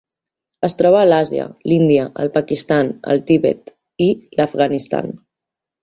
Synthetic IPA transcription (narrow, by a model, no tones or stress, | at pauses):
əst̪ɾɔβəːlazjə̰lind̪iəʔəlˠpakist̪anə̰lˠt̪iβɛ̰t̪ | iləfɣanist̪a̰n